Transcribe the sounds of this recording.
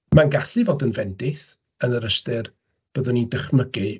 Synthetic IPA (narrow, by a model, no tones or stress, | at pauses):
manɡaɬɨvoːdənvɛndɪθ | ənəɾəstɨr | b̥əðʊnidəχməɡɨ